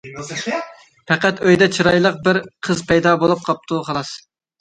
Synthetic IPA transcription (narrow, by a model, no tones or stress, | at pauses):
pʰæqæt̪øjd̪ɛt͡ʃʰiɾɑjlˠəq̚bɪɾqʰəzpʰɛjd̪ɑːbolˠup̚qʰɑp̚t̪ʰuχʰɑlˠɑs